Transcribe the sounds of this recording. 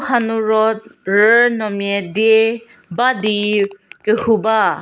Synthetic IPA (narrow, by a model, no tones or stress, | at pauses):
hanuɹɔt̚ɹənɔmjɛdie | badikəhuba